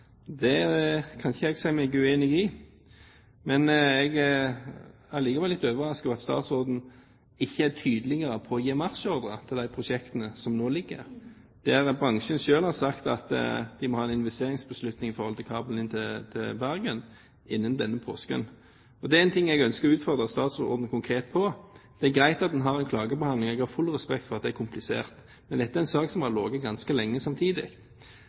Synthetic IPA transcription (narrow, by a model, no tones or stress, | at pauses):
d̪ɛdɛkʰɑnçəɛɡsɛɪmɛɡʉeːnɪɡɪ | mɛnɛɡ | æliːɡɑʋɛlɪt̪ːøːʋəʁɑskəʋɑt̪st̪ɑ̰ːt̪sʁoːd̪n̩ | ɪçːəæt̪ʰyːd̪əlɪɡəɾəpʰɔɔjeːmɑʁsɔʁd̪ʁət̪ʰɪld̪æɪpʰʁʊʃɛkt̪ənəsɔmnoːlɪɡːə̰ɾ | d̪̥ɛæɾbɾɑŋʃənʃøːlhɑʁsɑkt̪ɑt̪d̪ɪmɔhɑːɛnɪnʋɛst̪eːʁɪŋsbəslʉt̪nɪŋɪfɔʁhɔlɪlkʰɑːbl̩ɪnt̪ʰɪt̪ʰɪlbæʁɡən | ɪnːənd̪ɛnːəpʰo̰ːskə̰n | ɔd̪ɛæɪnt̪ʰɪŋːɛɡœnskəʁɔʉːt̪fɔʁd̪ʁəst̪ɑːt̪sɔ̰ʁd̪n̩kʰʊŋkʰʁeːt̪̚pʰɔd̪̥ɛæɡʁæɪt̪ɑt̪̚d̪ɛnɦɑʁɛnkʰlɑːɡəbɛhɑnd̪lɪŋɛɡhɑfʉlːʁɛspɛk̚t̪fɔʁɑt̪̚d̪ɛæɾkʰʊmplɪsḛːʁt̪ | mɛnd̪ɛt̪ːæɾɛnsɑːksɔmhɑɾloːɡət̪̚ɡɑnskəlɛŋːəsɑmt̪ʰiːd̪ɪ̰ɡt̪